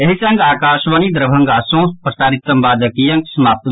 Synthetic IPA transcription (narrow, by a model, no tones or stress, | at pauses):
eɦisɐŋɡaːkaːʃʋɐnid̪ɾɐbʱɐ̃ŋɡaːsõːspɾɐsaːɾit̪ːɐmbaːd̪ɐkijɐ̃ŋksɐmaːp̚t̪